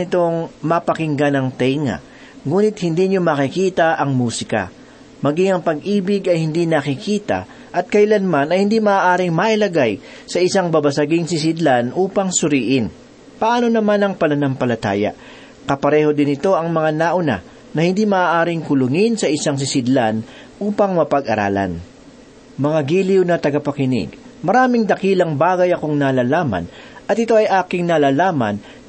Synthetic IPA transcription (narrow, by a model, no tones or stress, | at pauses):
ɪt̪o̞ŋmɐpɐkɪŋɡanɐŋt̪ɛjŋɐ̰ | ŋuːnɪt̪̚hɪnd̪iːɲomɐkɪkiːt̪ɐʔɐŋmuːsɪkɐ̰ | mɐɡiŋɐŋpɐɡ̚ʔiːbɪɡɐjhɪnd̪inɐkɪkiːt̪ɐ̰ | ʔɐt̪̚kɐjlanmanɐjhɪnd̪imɐʔaːʔaːɾɪŋmaʔɪlɐɡaj | sɐʔɪsaŋbɐbɐsɐɡɪŋs̬ɪs̬ɪd̪lanʔuːpɐŋsʊɾiːʔɪn | pɐʔaːno̞nɐmanɐŋpɐnɐnɐmpɐlɐt̪a̰ːjɐ̰ | kɐpɐɾɛːho̞d̪ɪnɪt̪o̞ʔɐŋmɐŋanaːʔʊna̰ | nɐhɪnd̪imɐʔaːʔaːɾɪŋkʊlʊŋɪnsɐʔɪsaŋs̬ɪsɪd̪lan | ʔuːpɐŋmɐpɐɡʔɐɾa̰ːlɐ̰n | mɐŋaɡiːliwnɐt̪ɐɡɐpɐkɪnɪ̰ɡmɐɾaːmɪŋd̪ɐkiːlɐŋbaːɡɐjɐko̞ŋnalaːlaːmɐ̰nɐt̪ʔɪt̪o̞ʔɐjʔaːkɪŋnɐlaːlaːmɐn